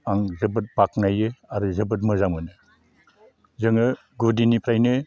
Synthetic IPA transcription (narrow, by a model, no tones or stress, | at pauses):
aŋzɯbɯt̚bak̚najɯaɾuzɯbɯt̬̚mɯzaŋmɯnɯ | zɯŋɯ | ɡudinipʰɾajnɯ